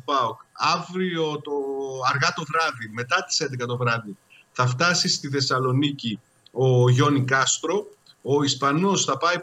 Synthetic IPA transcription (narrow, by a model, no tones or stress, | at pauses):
pɐokɐvɾio̞t̪oɐɾɣɐt̪o̞vɾɐðime̞t̪ɐt̪i̥se̞nd̪ekɐt̪o̞vɾɐði | θɐft̪ɐsist̪iθe̞sɐlo̞nici | o̞ʝo̞nikɐst̪ɾo̞ | oispɐno̞sθɐpɐj